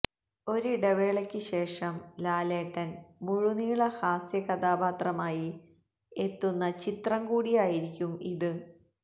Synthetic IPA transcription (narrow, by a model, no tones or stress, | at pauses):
o̞ɾuɖɐʋeːɭɐkʲːɨɕe̞ːʂɐmlaːleːʈːɐnmuɻuniːɭɐhaːsjɐkɐd̪aːbaːt̪rɐmaːji | et̪ːunːɐt͡ɕit̪rɐmkuːɽijaːjiɾikʲːumiðɨ